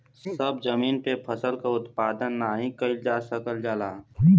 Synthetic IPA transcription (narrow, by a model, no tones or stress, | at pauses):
səbd͡ʒəmiːnpepʰəsəlkaʊt̪paːd̪ənːaːɦĩkəid͡ʒaːsəkəld͡ʒaːlaː